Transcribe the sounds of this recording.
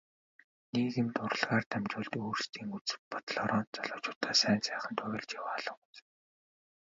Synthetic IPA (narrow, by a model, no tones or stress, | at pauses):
niːɣemt̪ʊrə̆ɮʁaːrt̪ʰæmt͡ɕʊːɮt̪oːrst̪ʰiːŋut͡sɘ̥pɔt̪̆ɮɔɾɔːnt̪t͡sɔɮʊːt͡ɕʊ̥ːt̪æːsæːnsæːχə̆nt̪ʰʊɣʲɪ̆ɮt͡ɕjawaːɮə̆ŋut͡sɘ̥̆